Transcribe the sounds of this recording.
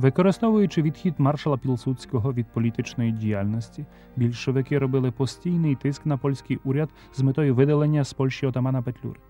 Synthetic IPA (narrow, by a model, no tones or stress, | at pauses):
ʋɪkɔɾɪst̪ɔʋʊjʊt͡ʃɪʋʲid̪xʲid̪mɑrʃɐlˠɐpʲilˠsusʲkɔɦɔʋʲid̪̚pɔlʲit̪ɪt͡ʃnɔjidʲijalʲnɔsʲtʲi | bʲilʲʃɔʋɪkɪɾɔbɪlˠɪpɔsʲtʲijnɪjt̪ɪskn̪ɐpɔlʲsʲkɪjʔuɾʲɐd̪ | zmɪt̪ɔjʊʋɪd̪ɐlˠenʲːɐspɔlʲʃʲt͡ʃiɔt̪ɐmɑnɐpet̪ʲlʲṵɾɪ